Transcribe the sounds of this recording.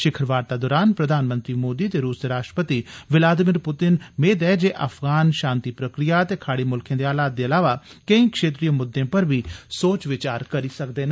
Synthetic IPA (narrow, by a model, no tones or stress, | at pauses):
ʃɪkʰɾʋaːɾt̪ad̪ɔːɾaːnpɾəd̪ʱaːnmə̃nt̪ɾiːmoːd̪it̪eɾuːsd̪eɾaːʃʈɾəpət̪iʋɪlaːd̪ɪmɪɾpʊt̪ɪnmeːd̪ɛːd͡ʒeːʔɐpʰɡaːnʃãːnt̪ipɾəkɾijat̪ekʰaːɽiːmʊlkʰjẽːd̪eaːlaːt̪̚d̪eɐlaːʋakəĩːkʃeːt̪ɾijəmʊd̪ːẽpəɾbʱiːsoːt͡ʃʋɪt͡ʃaːɾkəɾisək̚d̪eːn